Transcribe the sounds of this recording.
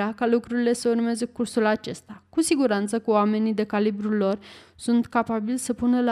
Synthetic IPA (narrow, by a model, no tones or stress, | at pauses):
akalukɾuɾile̞səurmazəkursulat͡ʃe̞st̪akusiɡuɾant̪səkəoame̞nid̪e̞kalibɾulo̞r | sunt̪kapabilsəpunəla